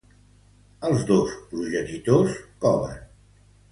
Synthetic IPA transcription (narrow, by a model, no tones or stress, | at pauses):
əlˠzðospɾuʒənit̪oskɔβə̰n